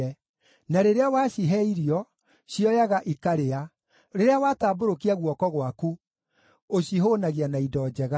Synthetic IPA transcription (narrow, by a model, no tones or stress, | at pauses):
naɾeɾeawaːɕiɦɛiɾiɔ | ɕiɔjaɣaʔikaɾea | ɾeɾeawaːtaːboɾokiaɣwɔkɔɣwaku | oɕiɦonaɣianaidɔːd͡ʑɛɣa